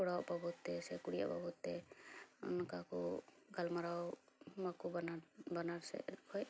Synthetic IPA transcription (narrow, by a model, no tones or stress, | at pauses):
kɔɽawʔbɔbɔt̪ːɛsɛkuɽija̰bɔ̰bɔt̪ːɛɔ̰nɔkaku | ɡalmaɾawmakubnbanaɾsɛ̰kʰɔj